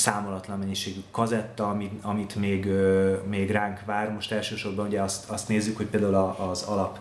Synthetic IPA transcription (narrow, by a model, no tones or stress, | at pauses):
saːmolɒt̪lɒmːɛɲːiʃeːɡykːɒzɛt̪ːɒmiɒmit̪meːɡømeːɡraːŋkʋaːrmo̞ʃt̪ɛlʃøːʃo̞rbɒnuɟɛɒst̪ɒst̪neːzːykho̞c̚peːld̪aːulɒʔːzɒlɒp